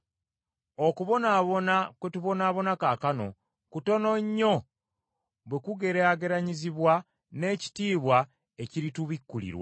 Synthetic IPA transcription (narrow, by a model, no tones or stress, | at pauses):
okuβo̞naβonakwetuβo̞naːβo̞nakakano̞̰ | kuto̞no̞ɲːo̞ | βwekuɡe̞ɾeaɡe̞ɾaɲiziβwa | ne̞ːci̥tiːβwa | e̞ciɾituβikːulḭɾwa̰